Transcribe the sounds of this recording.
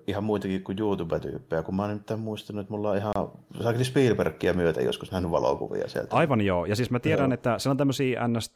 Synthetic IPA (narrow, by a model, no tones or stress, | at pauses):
ihɑmmuit̪ɑkikkujjuːt̪uʋæt̪y̰pːeækummɑˑnemit̪ːæmmuist̪ɑnuet̪mulːɑˑʔʔihɑsɑˑknispiːlperkːiæmyøt̪æ̰jo̰skusnæhnyʋʋɑlo̰kṵʋḭɑ̰siḛlt̪ʔɑiʋɑnjoːjɑsiːsmæt̪ieɾænet̪ːæsielont̪æmːøsiːʔæ̰nːest̪